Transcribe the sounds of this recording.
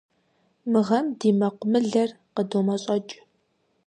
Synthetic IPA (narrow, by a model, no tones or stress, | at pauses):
mɨʁɐmdiːmɐqʷʊmɨɮɐr | qədomɐɕʼɐt͡ʃʼ